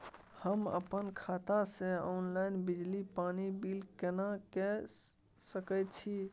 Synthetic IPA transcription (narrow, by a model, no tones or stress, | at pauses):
həmə̰pənkʰat̪asẽɔnlaɪnbid͡ʒlipanibilkenakɛ | səkəjt̪̚t͡ʃʰi